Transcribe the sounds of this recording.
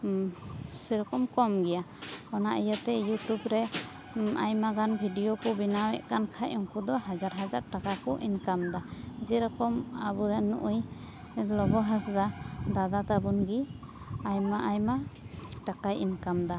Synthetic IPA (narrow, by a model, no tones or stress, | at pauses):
sɛɾɔkɔmkɔmɡɛjaɔnaʔijat̪ɛjutubɾɛ | a̰jmaɡanbʱiɖijɔkɔbinawɛʔkankʰajɔŋkud̪ɔɦad͡ʒaɾɦad͡ʒaɾʈakakɔʔinkamd̪ad͡ʒɛɾɔkɔmabuɾɛnuʔuj | lɔbɔɦasd̪ad̪ad̪at̪abunɡi | ajmaʔajmaʈakajinkamd̪a